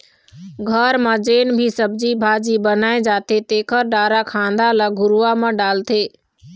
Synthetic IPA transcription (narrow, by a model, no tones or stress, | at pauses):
ɡʱəɾmãd͡ʒeːnbʱisəb̚d͡ʒibʱaːd͡ʒibənaːed͡ʒaːt̪et̪eːkʰəɾɖaːɾakʰãːnd̪alaɡʱʊɾuʋamãɖaːlt̪ʰeː